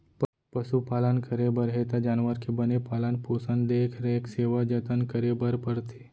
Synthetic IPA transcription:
p | pəʃupaːlənkəɾebəɾɦet̪ad͡ʒaːnʋəɾkebənepaːlənpoːsə̃nd̪d̪eːkʰɾekseːʋad͡ʒət̪ənkəɾebəɾpəɾt̪ʰe

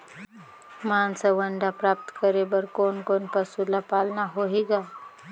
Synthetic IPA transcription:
maːnsaʋəɳɖapɾaːp̚t̪kəɾebəɾkoːnkoːnpəsulapaːlnaɦoɦeːɡaː

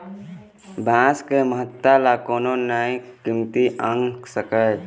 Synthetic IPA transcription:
bãːskeməɦət̪ːalakoːnonaːĩkimt̪iʔəŋɡsəkə

